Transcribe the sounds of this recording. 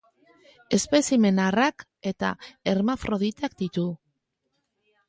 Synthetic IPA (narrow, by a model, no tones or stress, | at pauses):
e̞spe̞sime̞narak | e̞t̪a̰eɾmafɾo̞ðit̪akd̪it̪u